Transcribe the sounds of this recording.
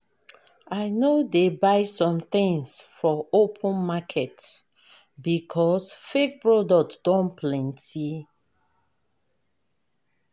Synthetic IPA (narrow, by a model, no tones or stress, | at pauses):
ajnodebaɪsɔ̃mt̪ĩŋsfɔopʰə̃nmakʰɛt | bikʰɔsfek̚pɹɔdɔk̚td̥ɔ̃npʰlɛ̃ntʰi